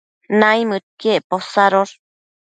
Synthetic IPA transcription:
najmɨt̪̚kieʔposaɾoɾ

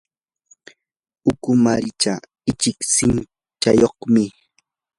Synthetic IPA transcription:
ʊkʊmaɾɪt͡ʃa | ɪt͡ʃɪksɪn | t͡ʃajoχmɪ

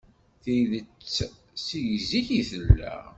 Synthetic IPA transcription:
θiðət͡sː | sijziçiθəlːæ̰

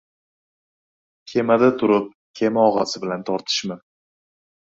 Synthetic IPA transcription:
kʲʰe̞mad̪at̪ʰʊɾɪp̚ | kʲʰe̞mɒʁɑsɪbɪlant̪ʰɒɾt̪ʰɪ̥ʃmɪ

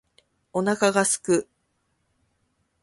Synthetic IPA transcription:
o̞nakaɡasɨ̥kɯ̟

